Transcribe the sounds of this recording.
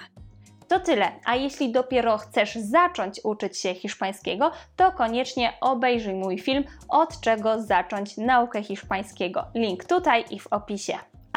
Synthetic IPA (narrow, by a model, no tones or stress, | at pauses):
t̪ɔt̪ɘlɛʔajeɕlʲid̪ɔpʲjɛɾɔxt̪sɛʐzat͡ʂɔɲt͡ɕut͡ʂɘt͡ɕɕɛxʲiʂpaj̃skʲɛɡɔt̪ɔkɔɲɛt͡ʂɲɛʔɔbɛjʐujmujfʲilmɔt̪t͡ʂɛɡɔzat͡ʂɔɲt͡ɕnaukɛxʲiʂpaj̃skʲɛɡɔ̰lʲiŋkt̪ut̪ajʔivɔpʲiɕɛ